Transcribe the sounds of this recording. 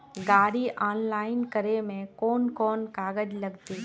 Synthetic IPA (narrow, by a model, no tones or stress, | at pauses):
ɡaːɽiʔaːnlaːɪnkəɾemẽkɔːnkɔːnkaːɡəd͡ʒlɐɡt̪iː